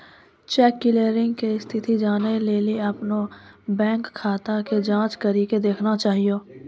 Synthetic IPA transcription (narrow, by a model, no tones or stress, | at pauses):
t͡ʃɛːkːɪleːɾɪ̃ŋɡkeɪst̪ʰɪt̪id͡ʒaːneleːliɐpnobɛ̃ːŋkʰːaːt̪aked͡ʒãːt͡ʃkəɾiked̪eːkʰnat͡ʃaːɦijoː